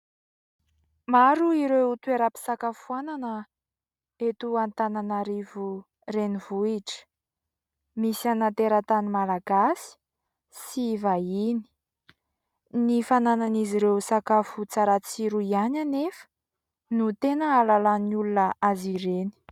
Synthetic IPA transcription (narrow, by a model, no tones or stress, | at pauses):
maɾuiɾewut̪weɾapi̥sakafuananə | et̪uant̪ananaɾivu | renivuiʈ͡ʂə̥ | misianant̪eɾat̪animalaɡasi̥ | sivaini̥ | nifanananiziɾewsakafut͡saɾat͡siɾuiananefə̥ | nut̪enəalalanulunəʔaziɾeni̥